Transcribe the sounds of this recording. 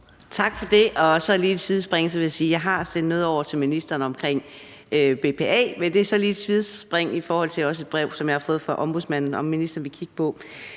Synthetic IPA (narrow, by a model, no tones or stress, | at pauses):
t͡sʰɑ̈ɡ̥fɒ̽d̥e̝ʔɒ̽sɒ̽liːed̥sʰið̞ˠsb̥ʁeŋ̰sɒ̽ʋe̝jasiːjɑ̈ɪɦɑ̈sed̥nɔ̽ːðˠɒʊ̰ɐt͡sʰe̝lminisd̥ʁɐːnəɒ̽mkʰʁeŋ̰ | øb̥e̝ːpʰeɛ̰ːmend̥e̝æɐsɒ̽liːed̥sʰʋiðˠsb̥ʁeŋ̰ifɒːhɒ̽l̰t͡sʰe̝lɒ̽səe̝d̥̚b̥ʁɛʊsɒ̽mjɑ̈hɑ̈fɔ̽ːð̩ˠfɑ̈ʔɒ̽mb̥uðˠsmæn̰n̩ɒ̽mːinisd̥ɐːnʋikʰiɡ̥ə̥pʰɒ̽